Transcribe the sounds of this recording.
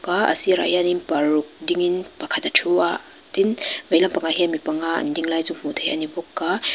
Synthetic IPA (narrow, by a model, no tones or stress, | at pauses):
kaɐ̰siɾa̰janinpaɾuk̚diŋinpakʰatatʰua | tinbajlampaŋaɦiamipaŋa̰ndiŋlajzuŋm̥utʰejɐ̰nibɔkːa